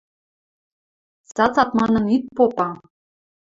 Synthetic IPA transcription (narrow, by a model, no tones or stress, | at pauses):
sɑt͡sɑt̪mɑnɤ̆nit̪̚popɑ